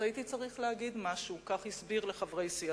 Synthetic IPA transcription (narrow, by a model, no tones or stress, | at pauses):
ait̪it͡saʁiχleaɡid̪maʃukaχhisbiʁleχavʁe̞jsia